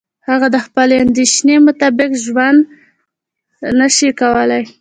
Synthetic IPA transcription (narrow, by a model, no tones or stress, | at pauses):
haɣad̪əxpəleand̪eʃnemʊt̪abɪkʒwand̪ | nəʃikawəlaj